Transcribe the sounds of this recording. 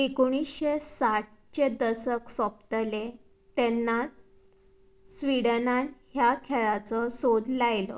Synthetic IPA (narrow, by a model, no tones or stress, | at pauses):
ekoɽ̃isɕesaʈ̚t͡ɕed̪əsəksɔp̚t̪le | t̪ɛnːa | sʋiɽənanhjakʰɛɭat͡sɔsod̪lajlɔ̰